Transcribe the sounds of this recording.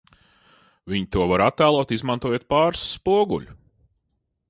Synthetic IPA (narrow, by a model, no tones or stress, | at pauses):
vʲiɲit̪uɔvaɾat̪ːæːlˠɔːt̪izmant̪uɔjuɔt̪̚paːɾsːpuɔɡṵʎʲu